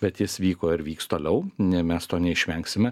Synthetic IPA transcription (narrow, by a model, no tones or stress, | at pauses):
bʲɛt̪jɪsʋʲiːkoːɪɾʋʲiːkst̪oːlʲɛʊnʲɪmʲɛst̪oːnʲɛɪʃʲʋʲɛŋksʲɪmʲɛ